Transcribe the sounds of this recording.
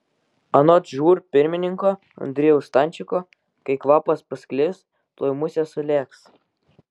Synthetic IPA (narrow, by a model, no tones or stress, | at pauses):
ɐnɔt̪ʒuːɾpʲɪɾʲmʲɪnʲɪŋkɔː | ɐ̰nʲd̪ʲɾʲɪjɛʊst̪ɑnʲt͡ʃʲɪkɔː | kɐɪkʋɑːpɐspɐsʲklʲɪs | t̪lˠoːjmʊsʲɛsʊlʲeːks